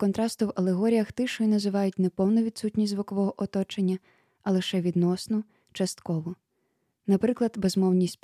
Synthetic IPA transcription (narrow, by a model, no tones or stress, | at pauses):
kɔnt̪ɾɑst̪ʊwɐlˠeɦɔɾʲijɐxt̪ɪʃɔjinɐzɪʋɑjʊtʲnɛpɔwnɔʋʲid̪sutʲnʲisʲzʋʊkɔʋɔɦɔʔɔt̪ɔt͡ʃenʲːɐ | ɐlˠɪʃɛʋʲid̪nɔsnɔ | t͡ʃɐst̪kɔʋɔ | nɐpɾɪklˠɐd̪bezmɔwnʲisʲtʲp